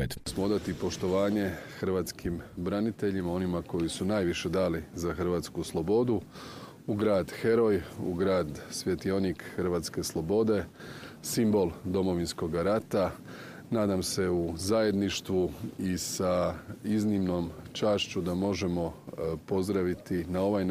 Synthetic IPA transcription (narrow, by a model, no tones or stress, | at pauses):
smood̪at̪ipo̞ʃt̪o̞ʋaːɲe̞xr̩ʋaːt̪skimbɾanit̪e̞ʎimao̞nimako̞jisunaːjʋiʃe̞d̪aːlizaxr̩ʋaːt̪skuslˠo̞bo̞d̪u | uɡɾaːd̪xe̞ɾo̞jṵɡɾaːd̪sʋje̞t̪io̞nikxrʋaːt̪ske̞slˠo̞bo̞d̪e̞simbo̞lˠd̪o̞mo̞ʋinsko̞ɡaɾat̪a | naːd̪amse̞uzaje̞d̪niʃt̪ʋuisaiznimno̞mt͡ʃaːʃt͡ɕud̪amo̞ʒe̞mo̞po̞zd̪ɾaʋit̪inao̞ʋaj